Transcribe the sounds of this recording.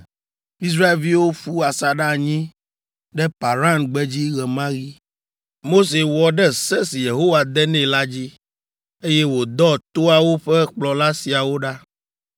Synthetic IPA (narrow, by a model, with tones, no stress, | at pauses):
i˦s̬ɾa˦e˨lvi˦wo˦fu˦a˨sa˨ɖa˦˨ɲĩ˦ | ɖɛ˦pa˨ɾa˦nɡ͡bɛ˦d͡ʑi˦ɣɛ˨mã˦ɣi˦ | mo˦s̬e˨wɔ˨ɖɛ˦sɛ˦si˨je˨ɦo˦wa˨d̪ɛ˦nɛ̃˨la˦d͡ʑi˦ | e˦jɛ˦wo˨d̪ɔ˦t̪o˦a˨wo˦ɸɛ˦k͡plɔ˨la˦si˨a˨wo˦ɖa˦